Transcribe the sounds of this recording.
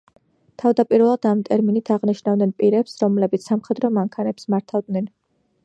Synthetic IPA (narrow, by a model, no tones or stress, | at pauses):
t̪ʰavd̪apʼiɾvɛlˠad̪̥amt̪ʼɛɾminit̪ʰaʁniʃnavd̪nɛnpʼiɾɛpsɾɔmlɛbit̪ssamχɛd̪ɾɔmaŋkʰanɛpsmaɾt̪ʰavd̪nɛn